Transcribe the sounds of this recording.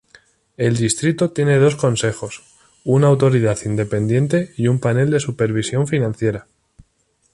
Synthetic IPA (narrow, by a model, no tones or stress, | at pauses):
e̞ld̪ist̪ɾit̪ot̪je̞ne̞ð̞o̞sko̞nse̞χo̞s | unaːwt̪o̞ɾiðaθind̪e̞pe̞nd̪jẽ̞nt̪e̞iumpane̞ld̪e̞supe̞ɾβ̞isjo̞ɱfinãnθje̞ɾa